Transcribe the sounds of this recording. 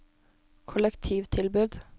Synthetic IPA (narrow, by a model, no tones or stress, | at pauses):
kʰʊləkt̪ʰiːʋt̪ʰɪlbʉd̪